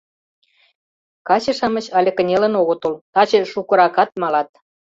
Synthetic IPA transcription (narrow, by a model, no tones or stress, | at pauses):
kɑt͡ɕĕʃɑmət͡ɕɑlʲĕkə̆nʲelə̆noɣə̆t̪ult̪ɑt͡ɕĕʃukə̆ɾɑkɑt̪̚mɑlɑt̪̚